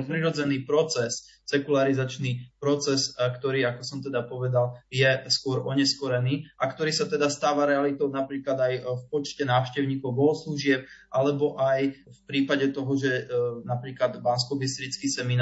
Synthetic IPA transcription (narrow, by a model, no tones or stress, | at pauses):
pɾiɾɔd͡zɛniːpɾɔt͡sɛs | sɛkulaɾizat͡ʃnipɾɔt͡sɛskt̪ɔɾiːakɔsɔmt̪ɛd̪apɔʋɛd̪aljɛskʊɔɾɔɲɛskɔɾɛniːʔakt̪ɔɾiːsat̪ɛd̪ast̪aːʋaɾɛalit̪ɔʊnapɾiːklad̪ajfpɔt͡ʃcɛnaːʊʃcɛʊɲiːkɔʊɡɔɦɔsluʒɪɛp̚ʔalɛbɔʔaj | fpɾiːpaɟɛt̪ɔɦɔʒɛnapɾiːklad̪banskɔbist̪ɾit͡skiːsɛmin